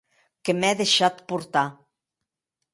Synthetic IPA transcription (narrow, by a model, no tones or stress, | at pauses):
kemɛðeʃat̪puɾt̪a